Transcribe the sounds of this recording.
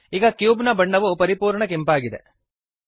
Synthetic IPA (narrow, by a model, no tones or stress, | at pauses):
iːɡɐkjuːbnɐbɐɳːɐʋupɐɾipuːɾɳɐk̬empaːɡid̪ḛ